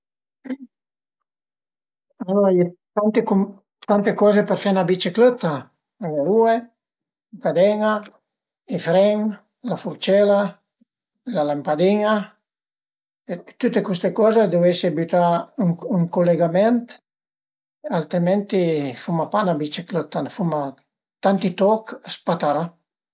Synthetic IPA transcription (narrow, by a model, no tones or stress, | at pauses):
aloɾaet̪ant̪ekum | t̪ant̪ekɔːzepɛɾfanabit͡ʃeklət̪a | aŋeɾue | kad̪ɛŋa | ifɾɛŋ | lafuɾt͡ʃɛla | lalampad̪iŋa | et̪ut̪ekwust̪ekɔzed̪uesebyt̪aŋuŋkoleɡamɛnt̪ | alt̪ɾimɛnt̪ifumapanabit͡ʃeklət̪anfuma | t̪ant̪it̪ɔkspat̪aɾa